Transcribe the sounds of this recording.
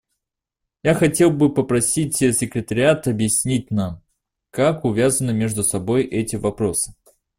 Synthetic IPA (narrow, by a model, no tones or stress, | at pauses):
jaxɐtʲe̞lˠbɨpəpɾɐsʲitʲsʲɪkɾʲɪt̪əɾʲɪat̪ɐbjɪsʲnʲit̚ʲnam | kakʊvʲazənɨmʲeʐd̪ʊsɐbo̞jʔɛtʲɪvɐpɾo̞sɨ̥